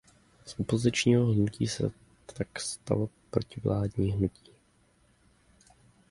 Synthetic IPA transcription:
sʔupozɪt͡ʃɲiːɦoɦnucḭːsɛ̰ | t̪akst̪a̰lopɾo̞cɪvlaːdɲiːɦnuci̥ː

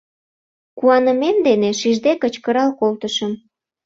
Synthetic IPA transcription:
kuɑnə̆memd̪eneʃiʒd̪ekət͡ɕkəɾɑlkolt̪əʃəm

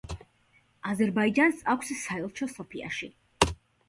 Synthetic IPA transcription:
azɛɾbaid͡ʒansakʷʰssaɛlˠt͡ʃʰɔsɔpʰia̰ʃi

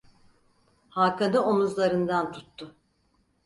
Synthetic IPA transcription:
hakʰad̪ɯomuzlˠaɾɯnd̪ant̪ʰu̥t̪ːʊ

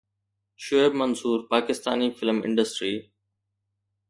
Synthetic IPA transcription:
ʃʊebmɐnsuːɾpaːkɪst̪aːnifɪlmɪ̰̃ɳɖəsʈɾiː

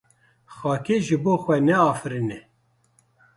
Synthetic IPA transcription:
xɑːkeʒɨboːxʷɛnɛɑːfɨɾinɛ

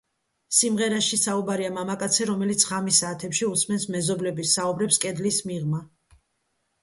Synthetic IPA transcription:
simʁɛɾaʃisaubaɾiamamakʼat̪sʰɛɾɔmɛlit̪sʰʁamisaːt̪ʰɛpʃiusmɛnsmɛzɔblɛbisːaubɾɛpskʼɛd̪lismiʁma

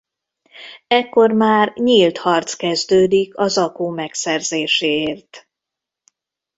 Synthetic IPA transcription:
ɛkːo̞rmaːrɲilt̪hɒrt̪skɛzd̪øːd̪ikɒzɒkoːmɛksɛrzeːʃeːeːrt̪

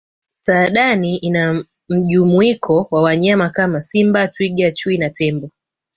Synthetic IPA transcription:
saːɗaniina | m̩ʄumuikʰɔwawaɲamakamasimbatwiɠat͡ʃuinatɛmbɔ

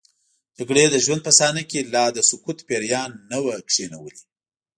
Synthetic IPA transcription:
d̪əɡɽed̪əʒwand̪̚pəsɑnakelɑd̪əsʊkut̪peɾjɑnːəwakʂenawəli

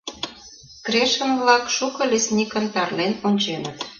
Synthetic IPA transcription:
kɾeʃə̆mβlɑkʃukɤ̆lʲesʲnʲikə̆nt̪ɑrlenonʲt͡ɕenət̪

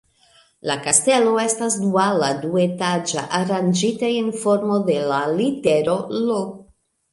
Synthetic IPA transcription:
lakaste̞lo̞e̞stasdualadue̞tad͡ʒa̰ʔaɾand͡ʒitainfo̞ɾmo̞de̞lalite̞ɾo̞lok

